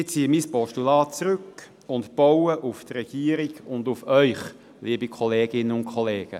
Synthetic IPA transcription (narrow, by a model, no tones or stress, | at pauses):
ɪt͡siːəmispɔʃtulɑːt̚t͡sɾʏk | ʊntb̥ɔwəʔuft̪rɛɡ̥iːəɾiɡʊndufœʏχ | liːəbikʰɔleːɡ̥ɪnːənʊnkʰɔlɛːɡ̥ə̰